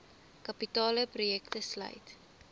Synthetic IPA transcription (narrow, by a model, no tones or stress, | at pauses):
kɐpitɑːləprojɛktəslœ̰jt